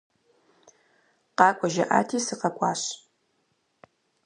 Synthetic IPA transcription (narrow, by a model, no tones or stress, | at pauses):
qɑːkʷʼɔʒɐ̰ʔa̰ːtʰiːsɨqɐkʷʼɑːɕ